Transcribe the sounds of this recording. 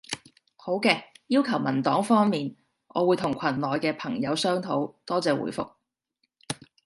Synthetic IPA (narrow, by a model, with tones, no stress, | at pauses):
ho˨˥wkɛː˧jiː˥wkʰɐ˨˩wmɐ˨˩nt̪ɔː˨˥ŋfɔː˥ŋmiː˨n | ʔɔː˨˧wuː˨˧jt̪ʰʊ˨˩ŋkʰɐ˨˩nlɔː˨˧jkɛː˧pʰɐ˨˩ŋjɐ˨˧wsœː˥ŋt̪ʰo˨˥wt̪ɔː˥t͡sɛː˨˧wṵː˨˥jfʊ̰˨k̚